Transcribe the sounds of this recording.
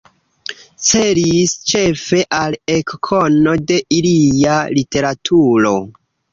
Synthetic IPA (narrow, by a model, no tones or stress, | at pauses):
t͡seɾist͡ʃe̞fe̞ʔalekkʰo̞no̞de̞ʔilijalite̞ɾatʰuɾo̞